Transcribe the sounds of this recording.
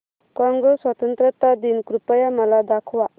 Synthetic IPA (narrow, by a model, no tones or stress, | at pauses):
kɔŋɡɔswat̪ɔnt̪ɾət̪ad̪inkɾupajamɐlad̪akʰwa